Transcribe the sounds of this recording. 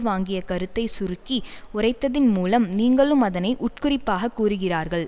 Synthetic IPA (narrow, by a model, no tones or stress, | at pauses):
ʋaːŋɡɪjɐkɐɾɯt̪ːɐɪsʊrɯkːiʊrɐɪt̪ːɐðɪnmuːlɐmniːŋɡɐɭɯmɐðɐnɐɪʔʊʈ̚kʊrɪpːaːɣɐkːuːrɯɣɪraːɾɣɐɭ